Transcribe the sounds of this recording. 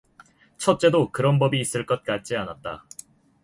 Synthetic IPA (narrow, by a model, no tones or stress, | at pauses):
t͡ɕʰʌt̚t͡ɕ͈e̞dokɯɾʌnbʌbiːs͈ɯɭk͈ʌt̚k͈at͡ɕ͈ianat̚t͈a̰